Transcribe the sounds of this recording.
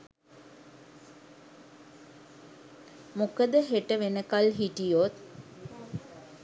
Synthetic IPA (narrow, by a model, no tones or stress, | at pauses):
mukəd̪əɦeʈəʋenəkalɦiʈijot̪̚